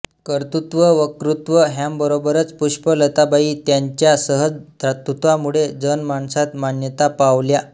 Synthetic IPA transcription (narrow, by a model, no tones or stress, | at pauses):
kəɾt̪ut̪ʋəʋəkɾut̪ʋəɦambəɾobəɾət͡spuɕpələt̪abaiːt̪jaɲt͡ɕjasəɦəd͡zd̪ʱɾat̪ːut̪ʋamuɭed͡zənmaɳsat̪maɳjət̪apaʋlja